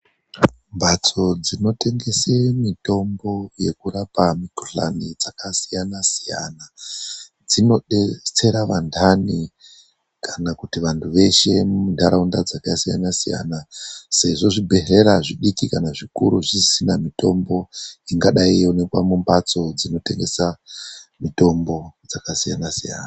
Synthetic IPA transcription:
mbat͡so̞d͡zino̞te̞ŋɡe̞semito̞mbo̞je̞kuɾapamikoɬa̰nid͡zakasijanasija̰na | d͡zino̞ɗet͡se̞ɾaʋandʰʱani | kʰanakutiʋantʰuʋe̞ʃe̞mundʱaɾaundad͡zakasija̰nasija̰nase̞ʐo̞ʐibʱe̞re̞ɾaʐiɗikikanaʐikṵɾuʐisinamito̞mbo̞iŋɡaɗaijone̞kwamumbat͡so̞d͡zino̞te̞ŋɡe̞samito̞mbo̞d͡zakasijanasija̰ːna

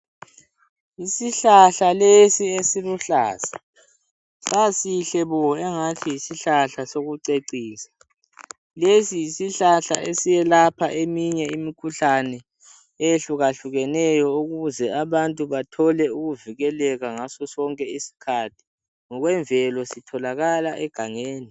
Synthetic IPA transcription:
isiɬaɬalesiesiluɬaːsḁ | sasiɬɛβɔɛŋatʰijisiɬaɬasoɣuǀeǀiːsḁ | lesijisiɬaɬa̰ʔesijɛlapʰaʔemiɲɛimikʰuɬanɛ | ejeɬuɣaɬuɣɛnɛjɔuɣuzɛaβantʼuβatʰɔlɛuɣuviɣɛlɛɣaŋasɔsɔŋkʼɛisi̥kʰatʰi̥ | ŋɔɣwɛɱvʱɛlɔsitʰɔlaɣalaʔɛɡ̥ʱaŋeːni

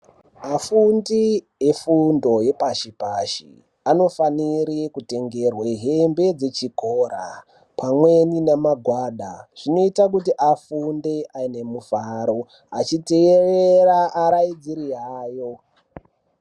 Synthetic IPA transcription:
afundi | efundo̞je̞paʃipaʃḭ | ano̞faniɾekute̞ŋɡerweɦembe̞d͡ze̞t͡ʃikoːra̰ | pʰamwe̞ninamaɡʱwaːɗaʐ̥ino̞itak̬utiʔafundeʔaine̞mufaɾo̞ | at͡ʃiteereɾaaɾaid͡ziɾiaːjo̞

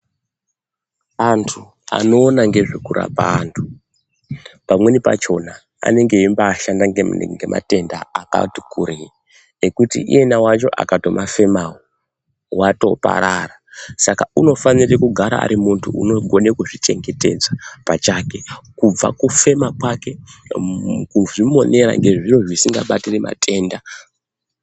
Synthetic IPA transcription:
antʰu | a̰no̞ːnaŋɡe̞ʐekura̰paːntʰu | pamwe̞nipa̰t͡ʃo̞na | a̰ne̞ŋɡe̞imbaːʃandaŋŋɡe̞mʔa̰te̞ndaaka̰ti̥kuɾi | ekutḭʔḭje̞nawat͡ʃo̞ʔa̰kato̞mʔafe̞mawo | wato̞̰pa̰ɾarasakauno̞fanirekuɡʱaɾa̰a̰ɾimuntʰuṵno̞ɡʱo̞nekuʐit͡ʃe̞ŋɡe̞te̞̰d͡zapat͡ʃake̞kub͡va̰kufe̞makwake̞ | kuʐimo̞ne̞ɾa̰ŋɡe̞ʐiro̞ʐisiŋɡa̰ɓatiremʔa̰tʰe̞ːnda

